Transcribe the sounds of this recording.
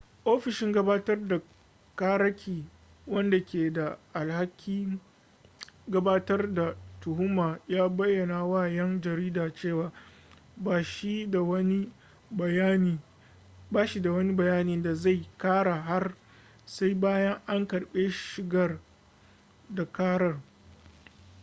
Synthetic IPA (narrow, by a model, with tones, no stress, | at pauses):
ʔoː˦ɸɪ˨ʃɪ˦ŋɡɐ˦baː˦tɐ˦rda˨ | kaː˦ɾɐ˦kʲʰiː˨ | wɐ˦nda˨kʲeː˨da˨ʔa˨lha˦kʲʰːiː˦ | ɡɐ˦baː˦tɐ˦rda˨tʊ˨hʊ˦maː˨jaː˦bɐ˦jːɐ˨na˨waː˦˨jɛ˦ŋd͡ʒɐ˨ɾiː˦daː˨t͡ʃeː˦˨waː˦ | baː˨ʃi˦a˨wɐ˦ni˦ | ba˦ni˨ | baː˦ʃi˨da˨wɐ˦ni˦bɐ˨jaː˦niː˦da˨za˦˨jkaː˦ɽa˨ɦa˦r | sa˦jbaː˦jɐ˦ŋʔa˦ŋkɐ˨ɽɓe˦ʃɪ˨ɡɐ˦r | da˨kaː˦ɽɐ˨r